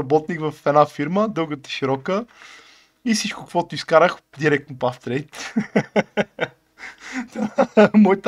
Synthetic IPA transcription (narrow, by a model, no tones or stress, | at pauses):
ɐbɔt̪nikvɐfɛd̪afiɾməd̪ɤlˠɡət̪ə̥ʃiɾɔkə | ifsit͡ʃkʊkvɔt̪ʊiskaɾəxd̪iɾɛk̚t̪nʊpaft̪ɾɛjt̪ | t̪amɔjt̪